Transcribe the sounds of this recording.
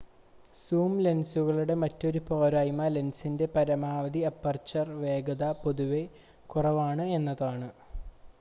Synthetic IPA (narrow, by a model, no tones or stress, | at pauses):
suːmle̞nsuɣɐɭuɽe̞mɐtːo̞ɾupo̞ːɾaːjmɐle̞nsinde̞pɐɾɐmaːʋɐd̪iɐpːɐrt͡ɕɐrʋe̞ːɡɐðɐpo̞ðuʋe̞ | kurɐʋaːɳɨe̞nːɐðaːɳɨ